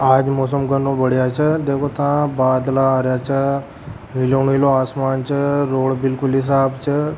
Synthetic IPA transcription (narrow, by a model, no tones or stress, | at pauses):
aːd͡ʒmɔːs̬əmɡənõbəɽjat͡ʃʰəd̪eːkʰot̪ãbaːd̪laaːɾjat͡ʃʰə | miloːniloaːsmaːnt͡ʃʰəɾoːɽbɪlkʊlɦɪs̬aːbt͡ʃʰə